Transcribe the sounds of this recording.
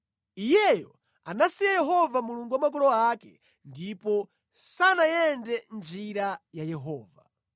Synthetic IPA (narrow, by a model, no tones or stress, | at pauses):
ijɛjɔ | anasijajɛɦɔvamuluŋɡuwamak̬ɔlɔakɛ | ndipɔ | sanajɛndɛnd͡ʒiɾajajɛɦɔːva̰